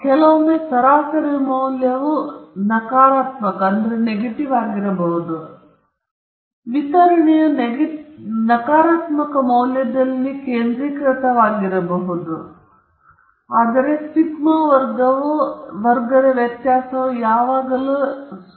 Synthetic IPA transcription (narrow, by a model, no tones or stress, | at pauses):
kɛlɐʋɐmːeːsɐɾaːsɐɾimɐwljɐʋunɐkaːɾaːt̪mɐkɐɐnd̪ɐɾeneɡeʈiʋaːɡiɾɐbɐɦud̪u | ʋit̪ɐɾɐɳɛjɐn | nɐkaːɾaːt̪mɐkɐmɐwljɐd̪ɐlːikeːnd̪ɾikɾɐt̪ɐʋaːɡiɾɐbɐɦud̪u | aːd̪ɐɾe̞siɡmɐʋɐɾɡɐʋuʋɐɾɡɐɾɐʋjɐt̪jaːsɐʋujaːʋaːɡɐlu